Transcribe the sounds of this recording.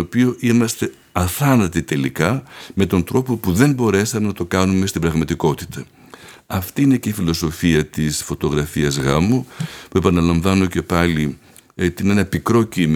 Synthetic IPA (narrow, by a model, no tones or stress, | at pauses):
opio̞ʔimɐst̪e̞ | ɐθɐnɐt̪it̪e̞likɐme̞t̪o̞nd̪ɾo̞po̞puðe̞mbo̞ɾe̞sɐme̞nɐt̪o̞kɐnume̞st̪ibɾɐɣmɐt̪iko̞t̪i̥t̪ʰɐ | ɐft̪iine̞ce̞ifilo̞so̞fiɐt̪isfo̞t̪o̞ɣɾɐfiɐzɣɐmopue̞pɐnɐlɐɱvɐno̞ce̞pɐli | t̪inenɐpikɾo̞cim